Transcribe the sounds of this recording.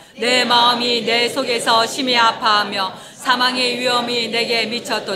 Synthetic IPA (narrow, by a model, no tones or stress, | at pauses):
ne̞maɯmine̞sʰoɡe̞sʰʌɕʰimiapʰaɦamjʌ | sʰamaŋeɥiɦʌmine̞ɡe̞mit͡ɕʰʌt͈ʌ